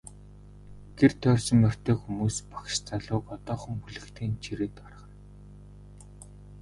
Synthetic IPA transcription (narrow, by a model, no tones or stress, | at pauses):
ɡ̥er̥t̪ʰœːrsɞ̆mːœr̥t̪ʰeːxumuːspḁkʃt͡saɮʊːkɔt̪ɔːχə̆mxuɮɘ̆kt̪ʰeːnt͡ɕʰiɾĕːt̪arʁə̆n